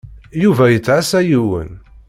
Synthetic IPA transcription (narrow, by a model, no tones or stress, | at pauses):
juvæjət͡sːʕæsæjiwə̰n